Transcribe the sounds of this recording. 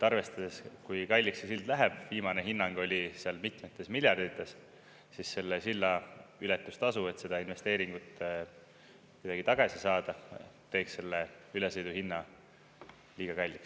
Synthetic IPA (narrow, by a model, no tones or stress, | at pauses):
t̪ːˑɑrve̞st̪ɑd̪̥e̞skujkɑjlʲːiksesild̪læɦeb̥viːmɑne̞ɦinːɑŋɡ̥o̞lʲiseɑlmit̪met̪ːˑe̞smilʲjɑrd̪̥it̪ˑːe̞s | sisːe̞lːesilːɑylɛt̪ːˑust̪ɑsue̞t̪se̞d̪̥ɑinve̞st̪e̞ːɾiŋɡ̥ut̪ːˑ | kud̪̥ɑɡ̥it̪ɑɡ̥ɑsisɑːd̪̥ɑt̪e̞ːksse̞lːeylesejd̪uhinːɑ | liːɡ̥ɑkɑjlʲːiks